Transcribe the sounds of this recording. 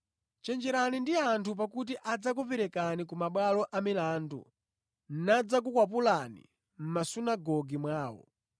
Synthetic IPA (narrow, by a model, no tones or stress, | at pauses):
t͡ʃɛnd͡ʒɛɾanindiantʰup̬akutiʔad͡zak̬upɛɾɛkanikumaɓwalɔʔamilaːndṵ | n̩nad͡zak̬ukwap̬ulanḭ | m̩masunaɡɔɡimwaːwɔ̰